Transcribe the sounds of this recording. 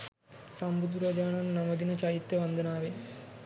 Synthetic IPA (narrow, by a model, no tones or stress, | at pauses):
sɐmbud̪uɾɐd͡ʒaːɳɐnnɐmɐd̪inɐt͡ʃɐjit̪jɐʋɐnd̪ʱɐnaːʋe